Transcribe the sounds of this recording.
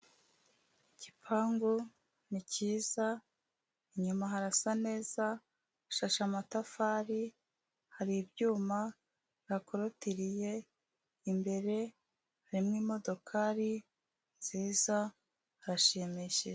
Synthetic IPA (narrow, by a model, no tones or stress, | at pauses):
icipʰaːŋɡu | niciːza | iɲumaɦaɾasane̞ːzaː | ʃaʃamatafaːɾi | haɾibjuːma | iɾako̞ɾotiɾije̞ | imbe̞ɾe̞ | haɾimŋiːmo̞do̞kʰaɾi | nziːza | haɾaʃimiʃiʒe